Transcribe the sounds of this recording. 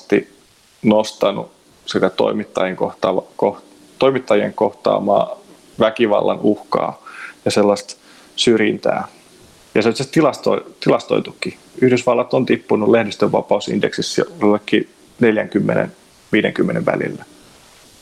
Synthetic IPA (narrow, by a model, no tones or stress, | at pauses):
t̪ḭ | nost̪ɑnṵ | sit̪æt̪o̞̰imit̪ːɑjeŋkoht̪ɑːʋɑkoh | t̪oimit̪ːɑjieŋkoht̪ɑ̰ːmɑ̰ː | ʋækiʋɑ̰lːɑnuhkɑ̰ːjɑselːɑst̪ | syrjint̪æ̰ː | jɑsetsest̪ilɑst̪oit̪ilɑst̪oit̪ukːi | yhdysʋɑlːɑt̪ont̪ipːunulehdest̪øʋːɑpɑusḭndeksisolːekːi | neljæŋkymːenḛn | ʋiːdḛŋkymːeneʋʋæ̰lḭlːæ